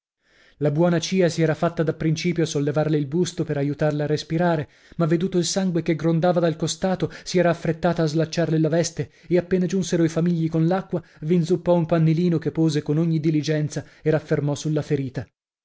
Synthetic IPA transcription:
labwɔːnat͡ʃiːasiɛːɾafat̪ːad̪apːɾint͡ʃiːpjosolːevarleilbust̪opeɾajut̪arlaarːespiɾaːɾe | mavːed̪uːt̪oilsaŋɡwekeɡɾond̪aːvad̪alkost̪aːt̪osiɛːɾaːfːɾet̪ːaːt̪aːzlat͡ʃːarlelavɛst̪e | eapːeːnad͡ʒunseɾoifamiʎːikonlakːwavinzupːɔumpanːeliːnokepːoːzekonoɲːid̪ilid͡ʒɛnt̪saeɾafːermɔsulːafeɾiːt̪a

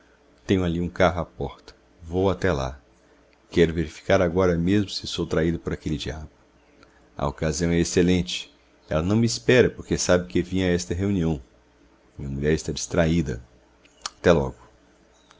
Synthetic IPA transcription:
t̪ẽɲʊaliũkaɦʊapɔɾt̪ɐ̥ | vowat̪ɛla̰ | kɛɾʊveɾifi̥kaɾaɡɔɾɐmezmʊsɪsowt̪ɾaid̪ɐpoɾakelɪd͡ʒiabʊ | ɐ̰okaziɐ̃w̃ɛeselẽnt͡ʃɪ̥ | ɛ̰lɐnɐ̃w̃mɪspɛɾɐpoɾkesabɪkevĩɲɐɛst̪ɐɦeũniɐ̃w̃ | mĩɲɐmuʎɛɾɪst̪ad͡ʒist̪ɾaid̪ɐ̰ | at̪ɛlɔɡʊ

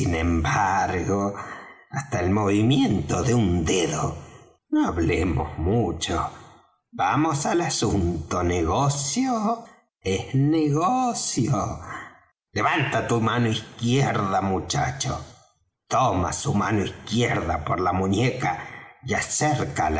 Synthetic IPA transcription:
inẽmbaɾɣo | ast̪aelmoβimjent̪oðeund̪eðo | noaβlemo̰zmut͡ʃo | bamosalasunt̪oneɣosjo | ehneɣosjo | leβant̪at̪umanoihkjeɾðamut͡ʃa̰t͡ʃo̰ | t̪oma̰sumanoishkjeɾðapoɾlamuɲekajaseɾkal

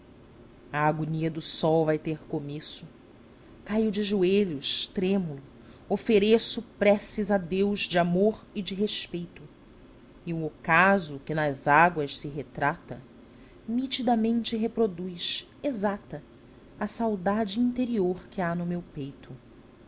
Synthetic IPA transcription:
ɐːɡuniɐd̪ʊsɔwvajt̪eɾkomesʊ | kajʊd͡ʒɪʒueʎʊʃt̪ɾẽmulʊ | ofeɾesʊpɾɛsizɐd̪ewzd͡ʒɪamoɾɪd͡ʒɪɦeʃpejt̪ʊ | ɪʊokazʊkɪnɐzaɡwɐʃsɪɦet̪ɾat̪ɐ | mit͡ʃid̪amẽnt͡ʃɪɦepɾod̪ujs | ezat̪ɐ | ɐsawd̪ad͡ʒɪĩnt̪eɾioɾkɪanʊmewpejt̪ʰʊ

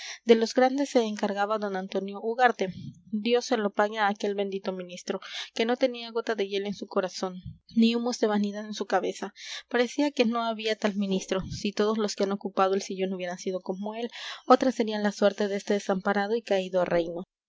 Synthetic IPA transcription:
d̪e̞lo̞zɡɾand̪e̞sːe̞ːŋkaɾɣaβaðo̞nant̪o̞njo̞ʔuɣaɾt̪e̞d̪jo̞sːelo̞paɣeaːke̞lβe̞nd̪it̪o̞mĩnist̪ɾo̞ke̞no̞t̪e̞niaɣo̞t̪aðe̞ʝe̞le̞nsuko̞ɾaso̞nːiumo̞zðe̞βaniðaðe̞nsukaβe̞sapaɾe̞siake̞no̞aβiat̪almĩnist̪ɾo̞sit̪o̞ð̞ozlo̞skeano̞kupað̞oelsiʝo̞nuβje̞ɾansið̞o̞ko̞moe̞lo̞t̪ɾasːe̞ɾianlaswe̞ɾt̪e̞ðest̪e̞ðesampaɾaðo̞ikaiðoarejno

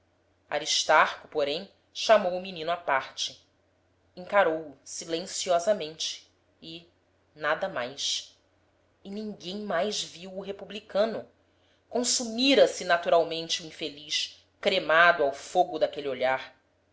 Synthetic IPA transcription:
a̰ɾiʃt̪aɾkʊpoɾẽj̃ | ʃamowʊminĩnʊapaɾt͡ʃɪ | ĩŋkaɾowʊsilẽsiɔzɐmẽnt͡ʃɪ̥ː | nad̪ɐmajʃ | ɪnĩŋɡẽj̃majʒviwʊɦepublikɐ̃nʊ | kõsumiɾɐsɪnat̪uɾawmẽnt͡ʃɪuĩfeliʃ | kɾemad̪ʊawfoɡʊd̪akelioʎaɾ

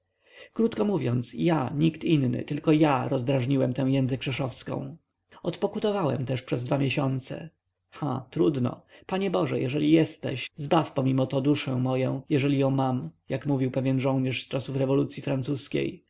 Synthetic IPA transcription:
kɾut̪kɔmuvʲjɔnt̪sjaɲikt̪inːɘ̰t̪ɘlkɔjaɾɔzd̪ɾaʐɲiwɛmt̪ɛw̃jɛnzɨkːʂɛʂɔfskɔ̰̃w̃ | ɔt̪pɔkut̪ɔvawɛ̰mt̪ɛʂpʂɛzd̪vamʲjeɕɔnt̪sɛ̰ | xa̰t̪ɾud̪nɔ̰paɲɛbɔʐɛ̰jɛʐɛlʲijɛst̪ɛ̰ɕzbafpɔmʲimɔt̪ɔd̪uʂɛ̃w̃mɔjɔ̰̃w̃jɛʐɛlʲijɔ̃w̃mamjakmuvʲiwpɛvʲjɛnʐɔ̃w̃ɲɛʂst͡ʂasufɾɛvɔlut̪sʲjifɾant̪suskʲḛj

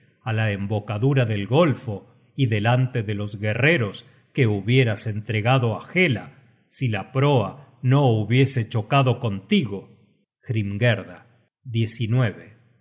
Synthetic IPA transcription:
alaembo̞kaðuɾaðe̞lɣo̞lfo̞ | iðe̞lant̪eðelo̞zɣe̞re̞ɾo̞s | keuβje̞ɾase̞nt̪ɾe̞ɣaðo̞axela̰ | silapɾoa | no̞uβje̞se̞t͡ʃo̞kaðo̞ko̞nt̪iɣo̞ | xɾimɡeɾða | ðje̞sinwe̞βe

